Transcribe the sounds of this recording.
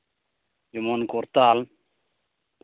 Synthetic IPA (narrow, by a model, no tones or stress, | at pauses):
d͡ʒumonkoɾt̪aːl